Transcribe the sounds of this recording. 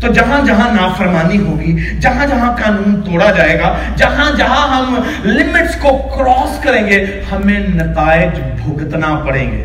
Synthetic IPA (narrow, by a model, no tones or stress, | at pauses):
t̪oːd͡ʒɐɦãd͡ʒɐɦãnaːfəɾmaːniɦoːɡi | d͡ʒɐɦãd͡ʒɐɦãkaːnuːnt̪oːɽad͡ʒaːeːɡa | d͡ʒɐɦãd͡ʒɐɦãɦɐm | lɪmɪʈskokɾɔːskɐɾẽːŋɡe | hɐmẽnɐt̪aːɪd͡ʒ | bʱʊɡt̪napɐɽḛ̃ːŋɡḛː